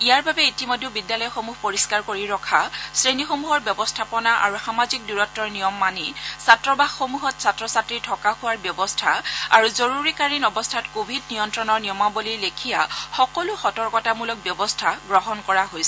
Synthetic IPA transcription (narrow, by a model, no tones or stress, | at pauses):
ijaɹbabɛitimodʱebidːjalɔjɔxomuɦpoɹiskaɹkoɹiɹɔkʰasɹenixomuɦɔɹbjɔbɔstʰapɔnaʔa̰ɹuxamazik̚duɹɔtːɔɹnijɔmːanisatɹɔbaxːomuɦɔtsatɹɔsatɹitʰɔkaxuwaɹbjɔbɔstʰaa̰ɹuzoɹuɹikaɹinɔbɔstʰatkobʱid̚nijɔntɹɔnɔɹnijɔmabolilekʰijaxɔkɔlʊxɔtɔɹkɔtamulɔk̚bjɔbɔstʰaɡɹɔɦɔnkɔɹaɦojsɛ